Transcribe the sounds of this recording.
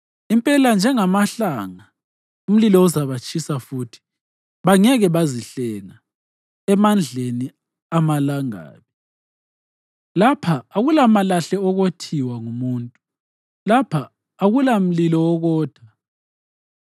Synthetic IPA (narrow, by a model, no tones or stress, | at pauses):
impʼɛland͡ʒʱɛŋamaɬaŋa | um̩lilɔuzaβat͡ʃʼisafuːtʰi̥ | βaŋɛɣɛβaziɬɛna | ɛmand͡ɮʱeni | amalaŋa̰ːβi | lapʰaːɣulamalaɬɛɔɣotʰiwaŋumuːntʼu | lapʰaː | ɣulam̩lilɔwɔɣɔːd̥ʱwa